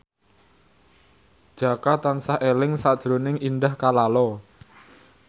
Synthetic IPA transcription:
d̥ʒ̥a̤kat̪ansaʔelɪŋsad̥ʒ̥ɾonɪŋindahkalalɔ

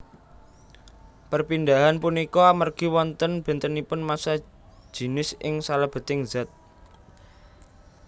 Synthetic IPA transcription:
pərpind̪aɦanpunikɔamarɡ̥i̤wɔnt̪ənb̥ɛ̤nt̪ənipʊnmasḁ | ʒ̥i̤nɪsʔɪŋsalab̥ə̤t̪ɪŋz̥a̤t̪̚

